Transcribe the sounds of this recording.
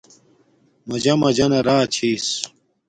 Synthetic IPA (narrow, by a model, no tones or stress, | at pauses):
mɐd͡ʑɐmɐd͡ʑɐnɐɾaːt͡ɕʰiːs